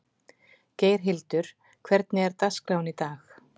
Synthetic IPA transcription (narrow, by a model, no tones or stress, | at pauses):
ceːjɾ̥ɦɪlt̪ʏɾ̥ | kʰvɛɾt̪nɪɛɾt̪askɾawnit̪aːx